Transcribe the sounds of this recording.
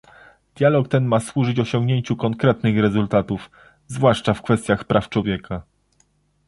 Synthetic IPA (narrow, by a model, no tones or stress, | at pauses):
d̪̥ʲjalɔkt̪ɛnmaswuʐɘd͡ʑɔɕɔŋɡɲeɲt͡ɕukɔŋkɾɛt̪nɘxɾɛzult̪at̪uf | zvwaʂt͡ʂafkfɛst̪ʲjaxpɾʔaft͡ʂwɔvʲjɛka